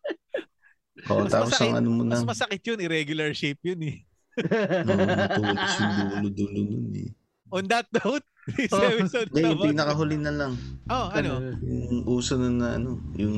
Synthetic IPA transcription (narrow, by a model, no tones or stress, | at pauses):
ʔo̰ʔɐmɐt̪aːmɐposɐsɐŋʔɐ̰nomonɐɐsmɐsɐkɪt̪̚jʊnɪɾɛɡjʊlɐɹʃɪp̚jnɛ | n | sʊd̪ulʊd̪uːlonʊnɛ̰ | ʔond̪ɐt̪̚nowt̪̚swɪsɐd̪ɛjʊŋpinɐkɐɦʊlɪnɐlɐŋʔoʔɐnojʊŋʔuːsɐnonɐʔɐ̰no̞jʊŋ